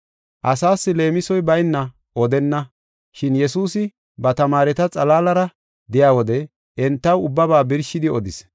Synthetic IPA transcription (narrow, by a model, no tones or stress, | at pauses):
ʔɐsaːsːɪle̞ːmɪsɔjbɐjnːɐ | ʔɔd̪ɛnːɐ | ʃɪnjɛsuːsɪ | bɐt̪ɐmaːɾɛt̪ɐt͡sʼɐlaːlɐɾɐ | d̪ɪjaːwɔd̪ɛ | ʔɛnt̪ːɐwʊbːɐβaːbɪɾʃɪd̪ɪɔd̪ɪs